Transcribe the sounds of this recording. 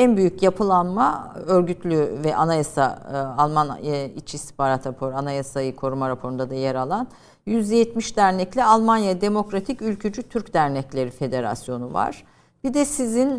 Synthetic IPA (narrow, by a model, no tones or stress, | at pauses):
ænbyjycjapʰɯlˠanmaøɾɟyt̪ʰlʲyvɛʔanajasaalˠmanit͡ʃʰist̪i̥paɾat̪ʰapʰoɾanajasajikʰo̞ɾumaɾapʰo̞ɾund̪ad̪ajeɾalˠan | jyzd̪ɛjɛt̪miʃd̪æɾnɛclʲialˠmanjad̪e̞mo̞kɾat̪ʰicylʲcʰyd͡ʒyt̪ʰyɾcd̪æɾnɛclʲe̞ɾife̞d̪e̞ɾa̰sjo̞nuva̰ɾ̥ | b̥id̪ɛsizin